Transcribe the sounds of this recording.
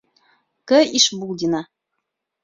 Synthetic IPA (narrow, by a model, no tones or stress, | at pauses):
kɘiʃbulˠd̪ʲina